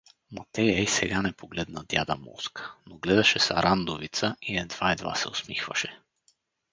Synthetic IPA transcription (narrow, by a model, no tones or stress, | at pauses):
mat̪ɛjaisɛɡanɛpoɡlɛd̪nad̪ʲja̰d̪amɔ̰skə̥noɡlɛd̪ɐʃɛsaɾʔand̪ovit̪səiɛd̪vaid̪va̰sɛ̰osmixvɐ̰ʃɛ